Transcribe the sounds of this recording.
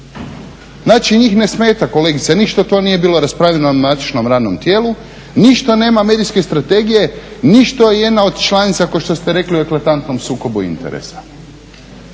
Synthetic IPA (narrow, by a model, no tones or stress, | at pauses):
naːt͡ʃiɲiːxne̞smeːt̪ako̞le̞ːɡit̪saniʃt̪ot̪o̞ːnije̞biːlo̞ɾaspɾaːʎenonat̪i̥ʃno̞mɾaːd̪no̞mt̪je̞ːlu | niʃt̪ane̞ːmame̞ːd̪iske̞st̪ɾat̪e̞ɡije̞niʃt̪ojeje̞d̪nao̞d̪t͡ʃlˠanit̪sakoʃt̪ost̪eɾe̞kliue̞klˠat̪ant̪no̞msuːko̞buḭnt̪e̞̰ɾḛsḁ